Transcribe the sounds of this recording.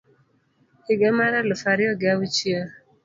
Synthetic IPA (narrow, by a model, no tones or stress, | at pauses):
ɪɡɛmaɾalʊfaɾɪɔɡɪawut͡ʃjə